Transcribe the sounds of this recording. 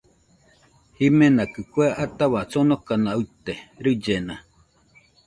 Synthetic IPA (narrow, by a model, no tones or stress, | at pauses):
himẽnakɨkweʔat̪aβat͡sonokanaɨt̪eɾɨd͡ʒena